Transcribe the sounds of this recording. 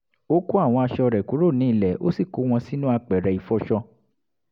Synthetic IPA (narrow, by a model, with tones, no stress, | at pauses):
o˦ku˦a˦˨w̃ɔ̃˧a˧ʃɔ˧ɾɛ˨ku˨˦ɾo˦˨nĩ˨˦i˦˨lɛ˨o̰˦si˦˨ko˨˦w̃ɔ̃˧si˦nũ˦a˧k͡pɛ˨ɾɛ˨i˨fɔ˧˦ʃɔ˧